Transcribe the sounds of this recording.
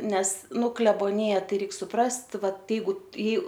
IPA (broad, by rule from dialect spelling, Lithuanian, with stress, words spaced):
ˈnʲɛs ˈnʊ klʲɛboːˈnʲɪjɛ ˈtɐɪ ˈrʲɛɪk sʊˈprɐst ˈʋɐt ˈjɛɪɡʊ ɪ